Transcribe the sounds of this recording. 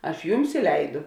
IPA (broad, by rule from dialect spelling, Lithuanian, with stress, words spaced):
ˈɐʃ ˈjʊms ɪ ˈlʲɛɪdʊ